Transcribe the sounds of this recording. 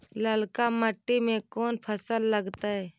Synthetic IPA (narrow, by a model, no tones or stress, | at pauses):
ləlkaməʈːimẽkoːnpʰəsəlːəɡt̪aɦɛː